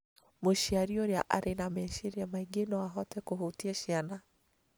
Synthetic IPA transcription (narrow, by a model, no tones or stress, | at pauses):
moʃiaɾioɾeaʔa̰ɾenamɛʃeɾiɛmaiɡenɔwaɦɔtɛkoɦotiɛʃiana